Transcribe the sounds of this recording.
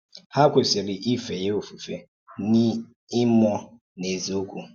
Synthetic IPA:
ha˦kʷe˨sɪ˨ɾi˨ʔi˦fe˨je˦o˨fu˨fe˨ | ni˦ | ɪ˦mɔ˦ | ne˨zi˨o˦kʷu˨

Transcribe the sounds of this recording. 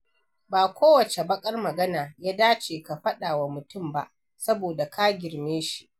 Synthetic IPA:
baː˨kʷoː˦wɐ˨t͡ʃe˨bɐ˦kʼɐ˦rmɐ˨ɡɐ˦naː˨jaː˦daː˦t͡ʃeː˨ka˨ɸɐ˦ɗaː˨wa˨mʊ˨tʊ˦˨mba̰˦ʔ | sɐ˦boː˨da˨kʰaː˦ɡʲɪ˨rmeː˦ʃi˨ʔ

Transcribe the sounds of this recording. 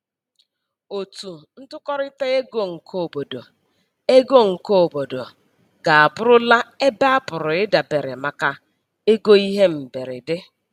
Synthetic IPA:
o˨tu˨n̩˦tʊ˦kɔ˦ɾɪ˦te˦e˦ɡo˦ŋ̩˨kʰo˦˨bo˨do˨ | e˦ɡo˦ŋ̩˨ko˦o˨bo˨do˨ | ɡ̥a˨a˨bʊ˦ɾʊ˦la˦e˦ba˦a˦pʊ˨ɾʊ˨ɪ˦da˨be˨ɾɪ̰˨ma˦ka˦ | e˦ɡo˦i˦ɦe˦m̩˨be˨ɾɪ̰˨dɪ˦

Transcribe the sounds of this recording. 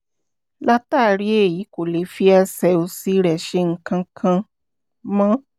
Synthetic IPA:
la˦ta˦˨ɾi˦e˦˨ji˨˦ko˨le˨˦fi˦ɛ˧sɛ˨o˧si˦ɾɛ˨ʃe˧ŋ̩˦kã˧kʰã˧ | mã˦

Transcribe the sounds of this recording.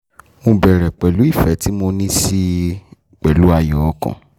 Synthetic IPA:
mõ˧bɛ˨ɾɛ˨k͡pɛ˨lu˨˦i˦˨fɛ˨˦ti˦mo˧nĩ˦si˦ | k͡pɛ˨lu˨˦a˧jɔ˨ɔ˧˦kɔ̰̃˨

